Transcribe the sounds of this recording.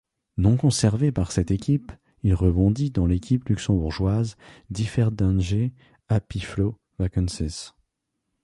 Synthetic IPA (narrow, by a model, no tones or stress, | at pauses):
nɔ̃kɔ̃sɛʁvepaʁsɛt̪ekʲip | ilʁəbɔ̃d̪id̪ɑ̃lekʲʰiplyksɑ̃buʁʒwazd̪ifɛʁd̪ɛ̃nʒe | apiflo | vakɑnsis